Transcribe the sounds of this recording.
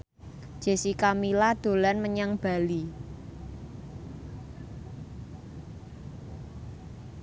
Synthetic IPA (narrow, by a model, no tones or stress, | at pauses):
ʒ̥e̤sikamilad̪̥o̤lanməɲaŋb̥a̤li